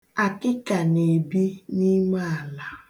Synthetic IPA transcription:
a˨kɪ˦ka˨ne˨bi˦ni˦ma˦a˨la˦

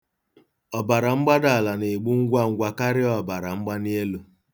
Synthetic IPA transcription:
ɔ˨ba˨ɾa˨ŋ͡m̩˦ɡ͡ba˦da˨la˨ne˨ɡ͡bu˦ŋ̩˦ɡʷa˦ŋ̩˦ɡʷa˦ka˦ɾɪ˦ɔ˨ba˨ɾa˨ŋ͡m̩˦ɡ͡ba˦ni˦e˦lu˨

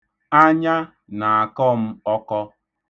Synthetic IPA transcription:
a˦ɲa˦ | na˨a˨kɔ˦m̩˦ɔ˦kɔ˦

